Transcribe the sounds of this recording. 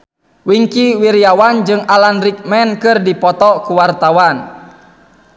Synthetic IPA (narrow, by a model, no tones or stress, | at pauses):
wiŋkiwiɾiawand͡ʒɨŋalanɾik̚mɛnkɨrdipɔt̪ɔkuwart̪awan